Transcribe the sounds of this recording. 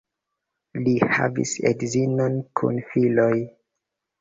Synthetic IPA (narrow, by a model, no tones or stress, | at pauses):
liha̰vḭsḛdzinonkʰṵnfiloj